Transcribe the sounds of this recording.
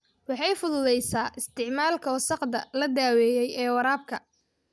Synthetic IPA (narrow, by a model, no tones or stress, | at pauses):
wɑħɑjfʊðʊðɛjsaːʔɪst̪ʰɪʕmaːlkʰɐwsɑqd̪ɐlɐd̪aːwɛːjɛjɛːwɐɾaːb̚kʰɐ